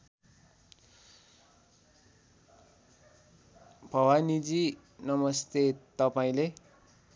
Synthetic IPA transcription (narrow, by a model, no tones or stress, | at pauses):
bʱʌwanid͡zi | nʌmʌst̪et̪ʌpaĩle